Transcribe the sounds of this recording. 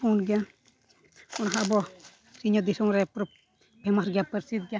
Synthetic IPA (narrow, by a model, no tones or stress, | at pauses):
punɡɛja | ɔnɦabɔ | siɲɔd̪isɔŋɾɛpɾɔp̚ | bʱɛmasɡijapəɾsit̪̚ɡɛja